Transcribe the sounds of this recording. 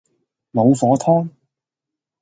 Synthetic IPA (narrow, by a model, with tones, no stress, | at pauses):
lo˨˧wfɔː˨˥t̪ʰɔː˥ŋ